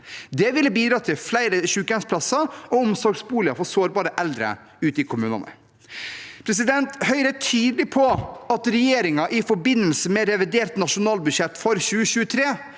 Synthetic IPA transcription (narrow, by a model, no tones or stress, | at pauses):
d̪ɛʋɪlːəbiːd̪ɾɑːt̪ʰɪlflæɪɾəʃʉːkɛnspʰlɑsɑɔɔmsɔɾɡsbuːlɪəfɔsoːɾbɑːɾəʔɛld̪ɾə̰ | ʉːt̪əɪkʰʊmʉːnɑ̰nə̰ | pʰɾɛs̬ɪd̪ɛnt̪hœʏɾətʰyːd̪əlɪpʰɔɑt̪ɾɛjeːɾɪŋɑʔɪfɔɾbɪnːəlsəmɛɾɛʋɪd̪eːɾt̪nɑʂʊnɑːlbʉʂɛt̪ːfɔɾçʉːəɕʉːət̪ʰɾeː